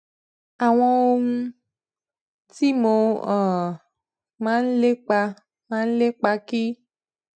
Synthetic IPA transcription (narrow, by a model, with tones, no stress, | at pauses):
a˨w̃ɔ̃˦wo˦ŋũ˦ | t̪i˦mo˨ɔ˨ | mã˦le˦k͡pa˧ | mã˦le˦k͡pa˧ki˦